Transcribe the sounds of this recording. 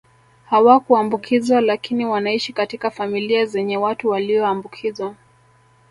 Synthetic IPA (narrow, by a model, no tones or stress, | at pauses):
hawakuambukʰizwalakiniwanaiʃikatikafamiliazɛɲɛwatuwaliɔambukʰizwa